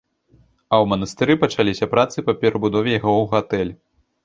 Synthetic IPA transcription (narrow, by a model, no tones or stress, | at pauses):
ɐwmɐnɐst̪ɨɾɨpɐt͡ʂalʲisʲɐpɾat̪sɨpɐpʲɛɾɐbud̪ɔvʲɛjaɣɔwɣat̪ɛlʲ